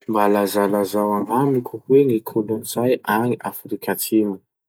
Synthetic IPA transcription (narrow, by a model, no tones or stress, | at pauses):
mbalazalazawaŋamikʰuhweŋikʰolonzajaŋiʔafɾikʰʲatʰimu